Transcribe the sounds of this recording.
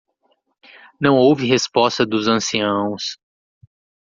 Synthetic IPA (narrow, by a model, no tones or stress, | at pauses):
nɐ̃w̃owvɪɦespɔst̪ɐd̪ʊzɐ̃siɐ̃w̃s